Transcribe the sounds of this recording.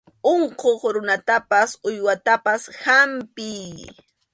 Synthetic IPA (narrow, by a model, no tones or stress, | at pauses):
oɴqoχɾʊnat̪apasʊjwat̪apashampɪj